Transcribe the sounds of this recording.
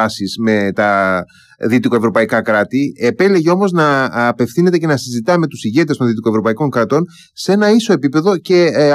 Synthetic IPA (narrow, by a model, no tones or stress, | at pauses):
ɐsizme̞t̪ɐ | ðit̪iko̞e̞vɾo̞pɐikɐkɾɐt̪iepe̞le̞ʝeo̞mo̞znɐːpe̞fθine̞t̪e̞ce̞nɐsizit̪ɐme̞t̪usiʝe̞t̪est̪o̞nðit̪iko̞evɾo̞pɐiko̞ŋkɾɐt̪o̞n | se̞nɐiso̞e̞pipe̞ðo̞ce̞